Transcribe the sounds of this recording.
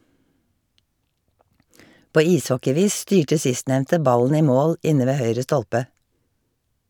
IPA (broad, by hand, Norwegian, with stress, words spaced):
ˈpoː ˈiːsˌhɔkɪˌʋiːs ˈstyːʈə ˈsɪstˌnɛʋntə ˈbɑlən ˈiː ˈmoːl ˈʔɪnə ˈʋeː ˈhœʏɹə ˈstɔlpə